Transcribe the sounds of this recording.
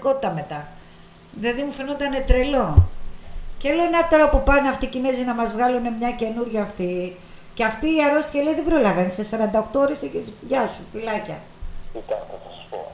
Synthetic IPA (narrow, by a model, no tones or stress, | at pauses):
ko̞t̪i̥t̪ɐme̞t̪ɐ | ðilɐðimufe̞not̪ɐne̞t̪ɾe̞lo̞ | celonɐt̪o̞ɾɐopupɐneɐft̪icinezinɐmɐzvɣɐlune̞mɲɐce̞nuɾʝɐːft̪i | ceɐft̪iːɐɾo̞st̪i̥çeleiðebɾo̞lɐvɐnse̞sɐɾɐnd̪ɐoxt̪o̞oɾe̞seçisʝɐsufilɐcɐ̰ | it̪ɐt̪osɐspo̰